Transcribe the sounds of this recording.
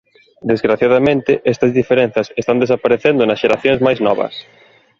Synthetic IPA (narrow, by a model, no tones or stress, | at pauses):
d̪ezɣɾaθjaðɐmẽnt̪ɪʔɛst̪ɐzðifeɾẽn̟θɐsest̪and̪esapaɾeθend̪ʊnɐsʃeɾaθjõŋzmajznɔβ̞ɐ̰s